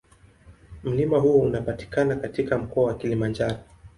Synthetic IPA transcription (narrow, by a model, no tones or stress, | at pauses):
m̩limaɦuɔunapati̥kanakatikam̩kɔawakilimand͡ʒaɾɔ